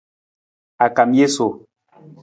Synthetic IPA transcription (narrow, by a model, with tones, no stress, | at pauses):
a˨ka˨mje˦so˨